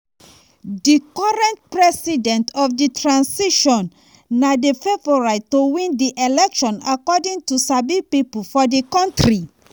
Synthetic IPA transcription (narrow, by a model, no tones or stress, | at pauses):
dikɔɹɛ̃nt̚pɹɛsidɛ̃ntɔfditʰɹãnsiʃɔ̃nː | adefevɔɹaɪtowĩndiʔelɛkʃɔ̃nakɔdĩŋtusabipipolfɔdikɔ̃ntɹi